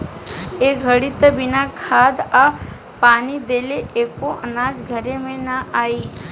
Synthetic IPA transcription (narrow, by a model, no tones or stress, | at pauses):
eɡʱəɽit̪əbɪnakʰad̪a | paːnid̪eːleʔeːkoʔənaːd͡ʒɡʱəɾemẽnəʔaːi